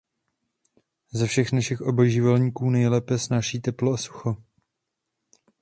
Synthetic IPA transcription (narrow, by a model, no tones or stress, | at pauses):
zɛfʃɛxnaʃɪxʔobojʒɪvɛlɲiːkuːnɛjlɛːpɛsnaːʃiːt̪ɛploasu̥xo